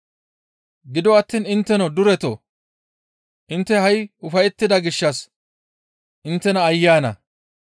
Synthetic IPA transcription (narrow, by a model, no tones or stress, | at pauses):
ɡɪd̪ɔɐt̪ːiːnɪnt̪ːɛnɔd̪ʊɾɛt̪o | ʔɪnt̪ːɛhɐjʊfɐjɛt̪ːɪd̪ɐɡɪʃːɐs | ʔɪnt̪ːɛnɐːjːaːnɐ̰